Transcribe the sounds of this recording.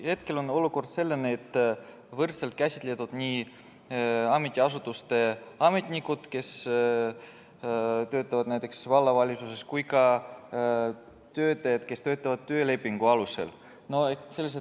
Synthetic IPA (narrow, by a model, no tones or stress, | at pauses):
he̞t̪ke̞lo̞no̞luko̞rd̪̥se̞lːenːeet̪ː | vɤrt̪selt̪̚kæsʲi̥t̪let̪ud̪̥nʲiː | ɑme̞t̪ʲːiɑs̬ut̪ːˑust̪e̞ɑme̞t̪ʲnʲikːˑud̪̥ke̞s | t̪ø̞ːt̪ːˑɑvɑd̪næjt̪ːˑe̞ksvɑlːɑvɑlʲisuseskujkɑ | t̪ø̞ːt̪ːˑɑjɑd̪ke̞st̪ø̞ːt̪ːˑɑvɑd̪̚t̪ːø̞ːle̞pːiŋɡ̥uɑluse̞̰l | no̞ese̞lːes̬e